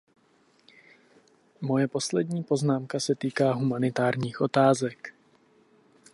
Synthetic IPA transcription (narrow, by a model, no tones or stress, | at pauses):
mo̞jɛpo̞slɛdɲiːpo̞znaːmkasɛt̪iːkaːɦumanɪt̪aːɾɲiːxʔo̞t̪aːzɛk